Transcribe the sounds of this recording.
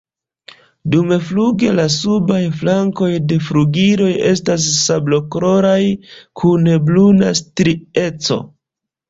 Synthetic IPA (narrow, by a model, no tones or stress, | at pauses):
dumefluɡe̞lasubajflaŋko̞jde̞fɾuɡiɾo̞je̞stas̬ːablo̞kɾo̞ɾajkʰunbluna̰stɾie̞t͡so̞̰